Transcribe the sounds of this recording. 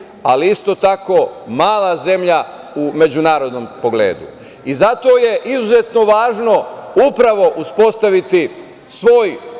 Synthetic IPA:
aliist̪o̞t̪ako̞ːmaːlˠaze̞mʎa | ume̞d͡ʑunaːɾo̞d̪nompo̞ɡle̞̰ːd̪ṵ | izat̪o̞ːje̞ʔizuze̞t̪no̞ʋaːʒno̞upɾaʋo̞ʔuspo̞st̪aʋit̪i | sʋo̞ːj

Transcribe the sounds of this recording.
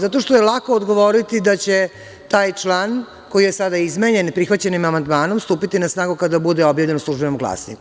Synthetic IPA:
zat̪o̞ʃt̪ojelˠako̞ːd̪ɡo̞ʋoɾit̪id̪at͡ɕe̞ | t̪aːjt͡ʃlˠan | ko̞ijesad̪aizmeɲe̞npɾixʋat͡ɕe̞nimamand̪maːno̞mst̪uːpit̪inasnaːɡukad̪abud̪eo̞bjaːʋʎe̞nusluʒbenomɡla̰ːsnḭ

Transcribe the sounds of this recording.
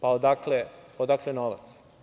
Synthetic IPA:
paod̪akleod̪aklenoʋa̰t̪s

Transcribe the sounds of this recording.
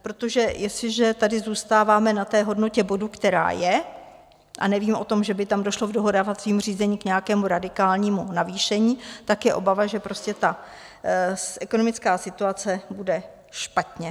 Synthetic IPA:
pɾot̪o̞ʒɛjɛslɪʒɛt̪adɪzuːst̪aːvaːmɛnat̪ɛːɦo̞dno̞cɛbo̞dukt̪ɛɾa̰ːjɛ | ʔa̰nɛviːmʔo̞t̪o̞mʒɛbɪt̪amdo̞ʃlovdoɦodaːvat͡sviːmur̝iːzɛɲiːkɲɛjakɛːmuɾadɪkaːlɲiːmunaviːʃɛɲiːt̪akjɛʔo̞bavaʒɛpɾo̞scɛt̪a | ʔɛko̞no̞mɪt͡skaːsɪt̪uat͡sɛbudɛ | ʃpat̪ɲɛ

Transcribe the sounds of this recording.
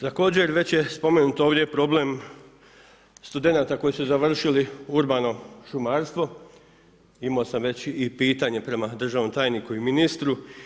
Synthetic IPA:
t̪ako̞ːd͡ʑe̞ɾʋe̞t͡ɕje̞spo̞menuːt̪o̞ːʋd̪ʲjepɾo̞ble̞m | st̪ud̪e̞naːt̪ako̞jisuzaʋr̩ʃiliuɾbaːno̞ʃumaːɾst̪ʋo̞ | imaosamʋe̞t͡ɕipiːt̪aɲe̞pɾe̞mad̪r̩ʒaʋno̞mt̪aːjnikuiminist̪ɾu

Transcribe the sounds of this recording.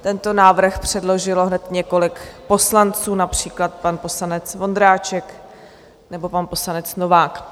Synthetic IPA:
t̪ɛnt̪o̞naːvr̩xpr̝̥ɛdlo̞ʒɪloɦnɛt̪ɲɛko̞lɪkpo̞slant͡suːnapr̝̥iːklat̪̚panpo̞sanɛt͡svo̞nd̪ɾaːt͡ʃɛk | nɛbo̞panpo̞slanɛt͡sno̞vaːk

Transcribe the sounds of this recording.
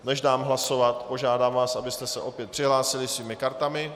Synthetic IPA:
nɛʒdaːmɦlaso̞vat̪po̞ʒaːdaːmvaːsʔabɪst̪ɛsɛʔo̞pjɛt̪̚pr̥ɪɦlaːsɪlɪsviːmɪkaɾt̪amɪ

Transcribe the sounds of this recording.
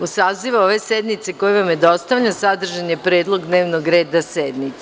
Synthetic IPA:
usaːziʋao̞ʋe̞sed̪nit̪sekojeʋamjed̪o̞st̪aʋʎasad̪r̩ʒaɲepɾe̞ːd̪lˠo̞ɡd̪ne̞ːʋnoɡɾeːd̪ased̪nit̪

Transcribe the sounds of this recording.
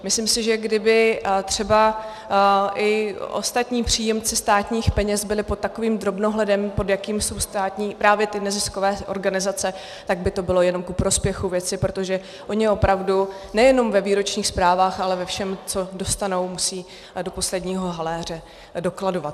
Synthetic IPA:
mɪslimsɪʒɛɡdɪbɪt̪r̝̥ɛba | ʔɪʔo̞̰st̪at̪ɲiːpr̝̥iːjɛmt͡sɪst̪aːt̪ɲiːxpɛɲɛzbɪlɪpot̪ːako̞viːmd̪ɾo̞bno̞ɦlɛdɛmpo̞djakiːmso̞wst̪aːt̪ɲiːpɾaːvjɛt̪ɪnɛzɪsko̞vɛːʔo̞ɾɡanɪzat͡sɛ | t̪aɡ̚bɪt̪o̞bɪlo̞jɛno̞mkupɾo̞spjɛxuvjɛt͡sɪpɾo̞t̪o̞ʒɛ | ʔo̞ɲɪʔo̞pɾavdu | nɛjɛno̞mvɛviːɾo̞t͡ʃɲiːxspɾaːvaːxalɛvɛfʃɛmt͡so̞do̞st̪ano̞wmusiː | do̞po̞slɛdɲiːɦo̞ɦalɛːr̝ɛ | do̞klado̞vat̪̚

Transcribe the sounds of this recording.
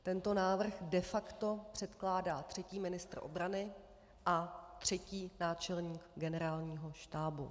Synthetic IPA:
t̪ɛnt̪o̞naːvr̩xdɛfakt̪o̞pr̝̥ɛt̪klaːdaːt̪r̥ɛciːmɪnɪst̪r̩ʔo̞̰bɾanɪ | ʔat̪r̝̥ɛciːnaːt͡ʃɛlɲiːkɡɛnɛɾaːlɲiːɦo̞ʃt̪aːbṵ

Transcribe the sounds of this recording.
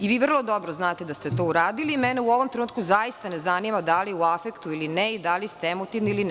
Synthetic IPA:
iʋiːʋr̩lˠo̞d̪obɾoznaːt̪ed̪ast̪et̪o̞ːuɾaːd̪iliːmɛneuo̞ʋomt̪ɾenuːt̪kuzajist̪anezanimad̪aliuafekt̪uilinɛid̪alist̪eemot̪iʋniilinɛ

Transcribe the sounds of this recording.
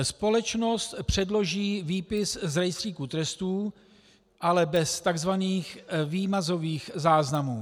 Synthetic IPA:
spo̞lɛt͡ʃno̞st̪pr̝̥ɛdlo̞ʒiːviːpɪszɾajst̪r̥iːkut̪ɾɛst̪uː | ʔalɛbɛst̪aɡzvaniːxviːmazo̞viːxzaːznamuː

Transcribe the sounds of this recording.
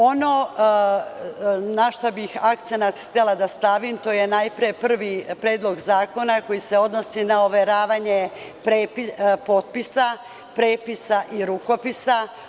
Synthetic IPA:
o̞no | naʃt̪obixak̚t̪senat̪xt̪elˠad̪ast̪aʋimt̪o̞ːjenajpɾijepr̩ʋipɾeːd̪lˠo̞ɡzaːko̞nako̞jiseo̞d̪no̞sinaoʋeɾaːʋaɲepɾepipo̞t̪̚pisa | pɾeːpisaʔiɾuko̞pisa

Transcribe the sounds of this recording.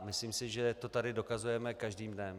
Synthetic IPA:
mɪsliːmsɪʒɛt̪o̞t̪adɪdo̞kazujɛmɛkaʒdiːmdɛm

